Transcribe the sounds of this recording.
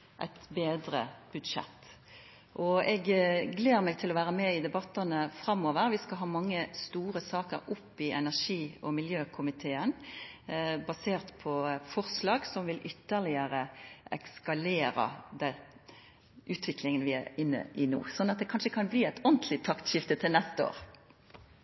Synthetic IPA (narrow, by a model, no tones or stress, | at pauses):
ʔæ̰ɪt̪beːd̪ɾə̰b̥ʉd̪ʂɛ̰t̪ː | ʔɔɛɡɡleːʁmɛːɡ̚t̪ʰɪlɔʋæːɾəmɛɪd̪ɛbɑt̪ːɑnəfʁɑmːoːʋəɾʋɪskɑlɦɑːmɑŋːəst̪uːʁəsɑːkəɾʊpːɪʔɛnæʁʂiːɔmɪljøːkʰʊmɪt̪ʰeːən | bɑseːʁt̪pʰɔfɔʁslɑːɡsɔmʋɪlʔʏt̪ːəʁlɪəʁəɛ̰kskɑleːɾɑ̰d̪ɛ | ʔʉːt̪ʰʋɪklɪŋənʋɪæɪnːə̰ʔɪnṵːsɔnːɑt̪̚d̪ɛkʰɑnʂəkʰɑnbliːɛɪt̪ɔnt̪lɪt̪ʰɑkt̪ʃɪft̪ət̪ʰɪlnɛst̪əo̰ːʁ